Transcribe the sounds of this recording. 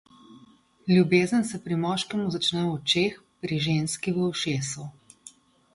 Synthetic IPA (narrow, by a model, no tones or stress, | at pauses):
lʲjubeːzənsɛpɾimɔːʃkɛmuzat͡ʃnɛɔt͡ʃeːx | pɾiʒeːnskiwəwʃeːsu